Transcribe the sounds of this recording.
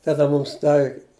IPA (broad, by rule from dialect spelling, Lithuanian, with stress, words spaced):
tɐˈdɐ ˈmuːms ˈdɐw